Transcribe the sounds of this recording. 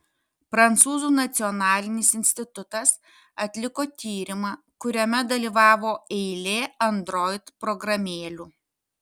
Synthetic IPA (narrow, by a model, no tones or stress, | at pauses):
pɾɐnt̪suːzuːnɐt̪sʲɪɔnɑːlʲɪnʲɪsɪnʲsʲt̪ʲɪt̪ʊt̪ɐs | ɐt̪ʲlʲɪkoːt̪ʲiːɾʲɪmɑː | kʊɾʲɛmʲɛd̪ɐlʲiːʋɑːʋoːɛɪlʲeːɐnd̪ɾɔɪt̪pɾɔɡɾɐmʲeːlʲuː